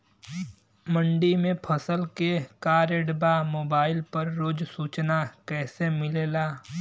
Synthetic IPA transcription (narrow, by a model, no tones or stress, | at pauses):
mə̃ɳɖimẽpʰɐsəlkekaːɾeɖbamoːbaːɪlpɐɾːoːd͡ʒsuːt͡ʃnakɛːsemɪleːlaː